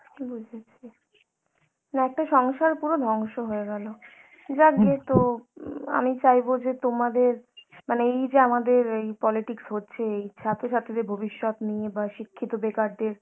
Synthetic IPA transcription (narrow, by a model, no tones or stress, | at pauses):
bud͡ʑʱet͡ɕʰe | naɛk̚ʈaʃɔŋʃaɾpuɾod̪ʱɔŋʃoɦoeɡɛlo | d͡ʑaɾɡet̪o | a̰mit͡ɕajbod͡ʑet̪omad̪eɾmaneejd͡ʑeamad̪eɾejpɔliʈiksɦotːɕʰeejt͡ɕʰat̪oʃat̪ʰed̪eɾbʱobiʃːɔt̪nijebaʃikʰːit̪obekaɾd̪eɾ